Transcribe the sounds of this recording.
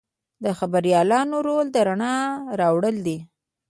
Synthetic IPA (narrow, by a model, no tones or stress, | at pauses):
d̪əxabaɾijɑlɑnoɾold̪əɾaɳɑɾɑwɽəld̪i